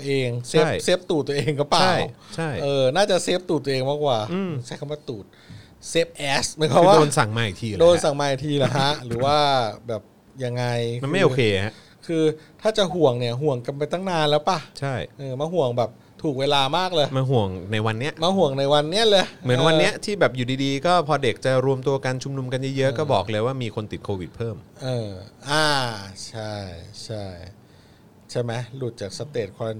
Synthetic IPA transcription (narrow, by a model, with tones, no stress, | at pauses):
ʔeː˧ŋse˧˦˥p̚jse˦˥p̚t̪uː˨˩t̪ːəʔeː˧ŋkʰɔ˥˩paːa˨˥˩jwt͡ɕʰa˥˩jʔɤː˧naː˥˩t͡ɕa˨˩se˦˥p̚t̪uː˨˩t̪ːu˧ʔeː˧ŋmaː˥˩k̚waː˨˩ɯː˧˩sa˧˩jkʰa˥˩mwa˥˩t̪uː˨˩t̪̚ | se˦˥p̚ʔɛː˦˥smiː˨˦kʰɔ˦˥˧waː˥˩oː˧nsa˨˩˦ŋmaː˨˩jt̪ʰiː˧˩˨doː˦˧nsa˨˩˦ŋmaː˨˩jt̪ʰiː˧˩la˨˩ɦa˦˥ʔɾɯː˩˦waː˥˩bɛː˨˩p̚ | ja˧ŋːa˧jm˧nma˥˩jʔoː˧kʰeː˧ha˦˥ | kʰɯː˧t̪ʰaː˥˩t͡ɕa˨˩ɦu˨˩əŋni˧˥˩əɦu˨˩əŋka˧mpa˧jt̪aː˥˩ŋnaː˧nlɛː˦˥wpa˧˩t͡ɕʰa˥˩jʔɤː˧maː˧ɦu˨˩əŋbɛː˨˩p̚ | t̪ʰuː˨˩k̚weː˧laː˧maː˥˩k̚lɤː˧jmaː˧ɦu˨˩əŋna˧jwa˧nːi˦˥ɐʔmaː˧ɦu˨˩əŋna˧jwa˧nːi˦˥ɐlɤː˧jmɯ˩˦ənwa˧nːi˦˥ɐt̪ʰiː˥˩bɛː˨˩p̚juː˨˩diː˧diː˧kɔː˥˩pʰɔː˧de˨˩k̚t͡ɕa˨˩ɾu˧əmt̪u˧ɐka˧nt͡ɕʰu˧mnu˧mka˧njɯ˦˥˩jɤ˦˥ʔkɔː˥˩bɔː˨˩k̚lɤː˧jwaː˥˩miː˧kʰo˧nt̪i˨˩t̪̚kʰoː˧wi˨˩t̪̚pʰɤː˥˩mʔɤː˧ʔaː˧˩t͡ɕʰa˥˩jt͡ɕʰa˥˩j | t͡ɕʰa˥˩ma˦˥jlu˨˩t̪̚t͡ɕaː˨˩k̚sa˧t̪eː˨˩t̪̚kʰɔː˧ɾa˧n˧